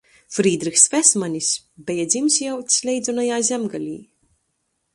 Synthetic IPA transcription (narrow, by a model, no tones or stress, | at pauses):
fɾiːd̪ɾixsvʲɛsmanʲis | bʲɛjad̪ʲzʲimsʲjawt̪ʲsʲlʲɛjd̪zɔnajaːzʲɛmɡalʲiː